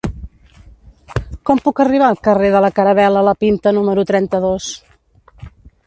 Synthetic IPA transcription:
kɔmpukəriβ̞aːlˠkəreðələkəɾəβɛlələpint̪ənuməɾut̪ɾɛnt̪əðos

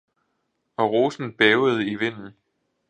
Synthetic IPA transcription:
ɒ̽ʁo̝ːsn̩b̥ɛːʊəð̞̩ˠiʋe̝n̰n̩

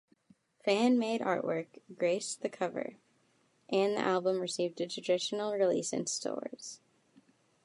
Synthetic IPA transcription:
fæ̃nmeɪɾɑ̰ɹʔwɜ̰˞kɡ̥ɹeɪsðɨkʰʌvə̰˞ | ʔɨ̃nðḭʔælˠbə̃mɹɨsivdɨtʰɹ̥əd̥ɪʃn̩l̩ˠɹilḭsɨ̰̃nstʰɔ̰ɹz̥

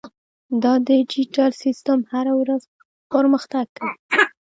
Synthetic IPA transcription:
d̪ɑd̪əd͡ʒiʈalsist̪amhaɾawɾaz | pəɾməxt̪aɡ̚ːə

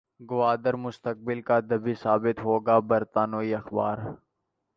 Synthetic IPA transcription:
ɡʊʋaːd̪əɾmʊst̪ək̚bɪlkad̪ɐbisaːbɪt̪ɦoːɡabɐɾt̪aːnoːiɐxba̰ːɾ

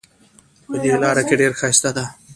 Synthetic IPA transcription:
pəd̪elɑːɾakeɖeɾxast̪ad̪a

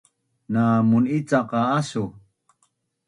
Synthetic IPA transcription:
naːmunit͡saqaasu

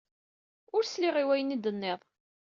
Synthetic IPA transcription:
ʊɾsliʁiwæjənid̪ənːɪðˤ

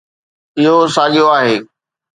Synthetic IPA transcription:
ɪɦosaːɠijoaːɦeː

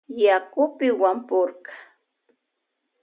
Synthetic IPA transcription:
jakʊpɪwampoɾkɑ̥

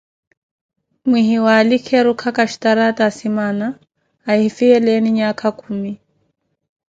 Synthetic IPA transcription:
mwiɦiwaːlɪkʰɛɾʊkʰakʼaʃi̥taɾatʼasimanaː | hɪfɪɛlɛnɪɲakʰakʰuːmi

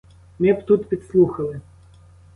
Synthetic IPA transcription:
mʲɛpt̪ut̪pʲɪt̪slˠuxəlˠɨ

